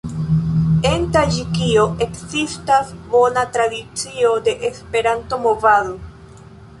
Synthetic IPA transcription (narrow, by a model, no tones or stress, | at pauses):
e̞ntad͡ʒikio̞ʔe̞kzistasbo̞natɾadit͡sio̞de̞ʔespe̞ɾanto̞mo̞vaðo̞